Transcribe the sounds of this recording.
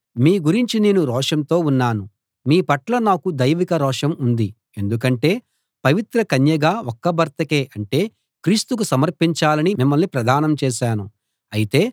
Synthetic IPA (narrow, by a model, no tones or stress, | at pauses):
miːɡuɾiɲt͡ʃine̞ːnuɾɔːʂɐnt̪o̞ːunːaːnu | miːpɐʈlɐnaːkud̪ɐjʋikɐɾɔːʂɐmund̪i | e̞nd̪uk̬ɐɳʈe̞ː | pɐʋit̪ɾɐkɐnjɐɡaːɔkːɐbʱɐɾt̪ɐkeːʔɐɳʈe̞ː | kɾiːst̪uk̬usɐmɐɾpiɲt͡ʃaːlɐnimimːɐlnipɾɐd̪ʱaːnɐmt͡ʃɛːʃaːnu | ɐjit̪e̞ː